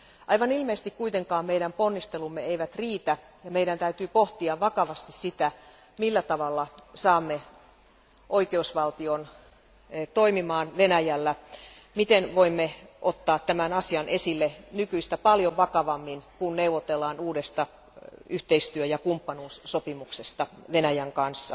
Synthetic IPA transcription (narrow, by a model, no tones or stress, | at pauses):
ʔɑiʋɑnilmeːst̪ikkuit̪eŋkɑːmmeiɾæmponːist̪elumːeeiʋæt̪riːt̪æ | jɑmeiɾænt̪æyt̪yːpoht̪iɑʋʋɑkɑʋɑst̪issit̪æ | milːæt̪ɑʋɑlːɑsɑːmːe | ʔoikeusʋɑlt̪ion | t̪oimimɑːnʋenæjælːæmit̪enʋoimːeʔot̪ːɑːt̪t̪æmænɑsiɑnesilːenykyist̪æpɑljoʋʋɑkɑʋɑmːinkunneuʋot̪elːɑːnuːdest̪ɑ | yht̪eist̪yøjɑkumpːɑnuːssopimuksest̪ɑʋenæjæŋkɑnsːɑ